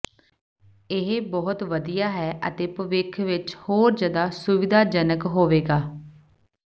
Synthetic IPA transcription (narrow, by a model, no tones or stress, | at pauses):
ɪɦbɔɦʊt̪ʋəd̪ijaːɦɛːʔə̰t̪eːpəʋɪkʰʋɪt͡ʃhoːɾd͡ʒjaːd̪aːsʊʋɪd̪aːd͡ʒənəkɦoːʋeːɡaː